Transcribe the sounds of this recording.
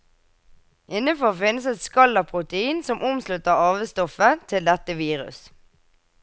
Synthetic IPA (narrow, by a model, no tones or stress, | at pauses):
ʔɪnəfɔʁfɪnəsɛt̪skɑləpʰʁʊt̪əiːnsɔmʔʊmslʉt̪əʁɑːʋəst̪ɔfət̪ʰɪld̪ɛt̪əʋiːʁʉ̰s